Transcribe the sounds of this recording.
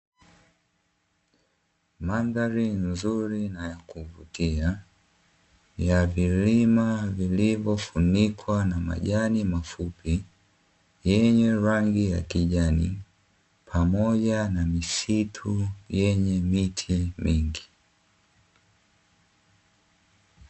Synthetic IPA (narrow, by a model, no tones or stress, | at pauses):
mandaɾinzuɾinajakuvṵtia | javilimavilivɔfunikwanama̰ʄanimafupi | jɛɲɛɾaŋɡija̰kiʄanḭ | pʰamɔʄanamisitʰujɛɲɛmitʰimiŋɡi